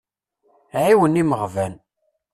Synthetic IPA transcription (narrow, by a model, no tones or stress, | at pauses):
ʕiwəniməʁvæn